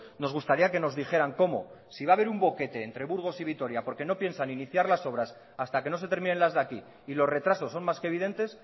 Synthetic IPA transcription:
no̞zɣ̞ust̪aɾiake̞no̞zðixe̞ɾaŋko̞mo̞̰ | siβaβe̞ɾumbo̞ke̞t̪e̞ːnt̪ɾe̞βuɾɣ̞o̞siβ̞it̪o̞ɾjapo̞ɾke̞no̞pje̞nsaniniθjaɾlaso̞β̞ɾas | ast̪akeno̞s̬e̞t̪eɾmine̞nlazðakiː | lo̞zre̞t̪ɾaso̞sːo̞nmaskeβ̞ið̞e̞nt̪e̞s

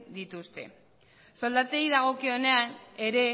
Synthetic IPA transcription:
d̪it̪ust̪e̞̰ | so̞ld̪at͡seiðaɣ̞o̞kio̞ne̞ane̞ɾe̞

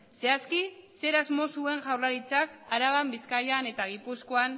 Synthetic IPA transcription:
se̞askise̞ɾazmo̞sue̞ŋʝawrlaɾit͡sakaɾaβambiskajane̞t̪aɣ̞ipusko̞an

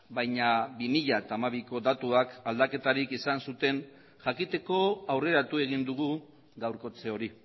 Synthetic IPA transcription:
bajɲabimiʎat̪aːmaβiko̞d̪at̪uakald̪ake̞t̪aɾikisansut̪e̞n | ʝakit̪e̞ko̞awre̞ɾat̪ue̞ɣind̪uɣ̞u | ɣawɾko̞t͡se̞o̞ɾi

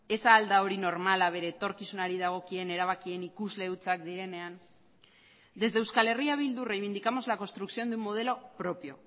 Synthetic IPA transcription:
e̞saːld̪ao̞ɾino̞ɾmalaβ̞e̞ɾe̞ːt̪o̞ɾkisunaɾiðaɣ̞o̞kie̞ne̞ɾaβ̞akie̞nikuzle̞ut͡sakd̪iɾe̞ne̞an | d̪e̞zðe̞wskale̞riaβ̞ild̪ure̞jβ̞ind̪ikamo̞zlako̞nst̪ɾuksio̞nd̪umːo̞ð̞e̞lo̞pɾo̞pjo̞̰

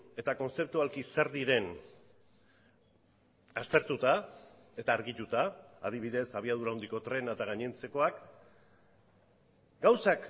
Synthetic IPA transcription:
e̞t̪ako̞nse̞p̚t̪ualkiseɾðiɾe̞n | ast̪e̞ɾt̪ut̪a | e̞t̪aːɾɣit̪ut̪a̰ːð̞iβiðe̞saβ̞iaðuɾaond̪iko̞t̪ɾe̞naet̪aɣ̞aɲent͡se̞ko̞ak | ɡawsak

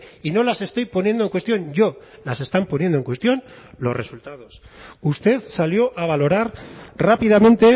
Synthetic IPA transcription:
ino̞lase̞st̪o̞jpo̞nje̞nd̪oe̞ŋkwe̞st̪jo̞ɲɟ͡ʝo̞lase̞st̪ampo̞nje̞nd̪oe̞ŋkwest̪jo̞nlo̞zre̞sult̪að̞o̞sust̪e̞ðsaljo̞ʔaβ̞alo̞ɾaɾrapið̞amẽnt̪e̞

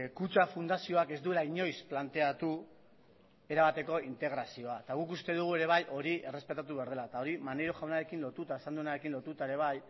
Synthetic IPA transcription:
kut͡ʃafund̪asio̞ake̞zd̪ue̞laiɲo̞jsplant̪e̞at̪u | e̞ɾaβat̪e̞ko̞int̪e̞ɣɾasio̞at̪aɣukust̪e̞ðuɣ̞ue̞ɾe̞βajʔo̞ɾiʔe̞re̞spe̞t̪at̪̬uβe̞aɾð̞e̞lat̪ao̞ɾimanejɾoʝawnaɾe̞kinlo̞t̪ut̪aesand̪unaɾe̞kinlo̞t̪ut̪ae̞ɾe̞β̞aj

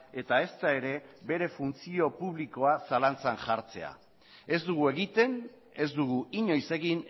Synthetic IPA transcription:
e̞t̪ae̞st̪ae̞ɾe̞be̞ɾe̞funt͡sio̞puβ̞liko̞asalant͡sanʝaɾt͡se̞a̰ | e̞zd̪uɣ̞ue̞ɣit̪e̞n | e̞zd̪uɣuiɲo̞jse̞ɣin

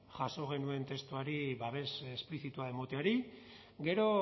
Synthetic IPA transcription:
ʝaso̞ɣ̞e̞nue̞nt̪e̞st̪uaɾiβaβe̞sespliθit̪uaemo̞t̪eaɾi | ɡe̞ɾo̞

